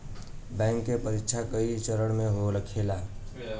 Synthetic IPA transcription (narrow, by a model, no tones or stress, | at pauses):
bɛ̃ŋkːepəɾikt͡ʃʰakəit͡ʃəɾəɽ̃meɦoɾəkʰela